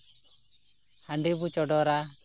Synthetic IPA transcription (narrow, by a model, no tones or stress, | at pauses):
haɳɖibut͡ʃɔɖɔɾa